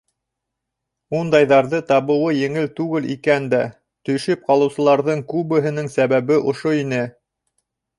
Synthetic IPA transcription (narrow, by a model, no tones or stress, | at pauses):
und̪ɑjðɑɾðɤt̪ɑβɤ̆wɤjɘ̆ŋɘlt̪ʉɡɘlḭkænd̪æ | t̪ɵ̆ʃɘp̚qɑlˠɤ̆wsɤ̆lˠɑɾðɤɴkʉβɘ̆ɦɘ̆nɘŋsæβæβɘʔŏʃoinɘ